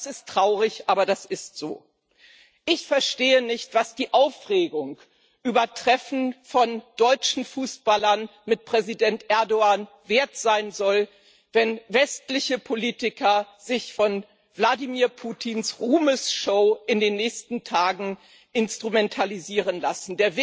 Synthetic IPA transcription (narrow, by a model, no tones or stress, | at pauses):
sɪsttʁ̥aʊʁɪçʔaːbɐdasɪstz̥o̰ː | ʔɪçfɛɐʃteːənɪçtv̥asd̥iːʔaʊfʁeːɡʊŋk | ʔyːbɐtʁ̥ɛfn̩fɔnd̥ɔʏt͡ʃn̩fuːsb̥alɐnmɪt̚pʁ̥ɛzidɛntʔɛɐdoaːn | veːɐtz̥aɪnzɔl | vɛnvɛstlɪçəpʰoliːtɪkɐ | z̥ɪçfɔn | vladimiːɐpʰuːtʰinsʁuːməsʃoʊʔɪndeːnːɛːçstn̩tʰaːɡŋ̩ | ʔɪnstʁ̥umɛntʰaliziːʁənlasn̩deːɐvɪ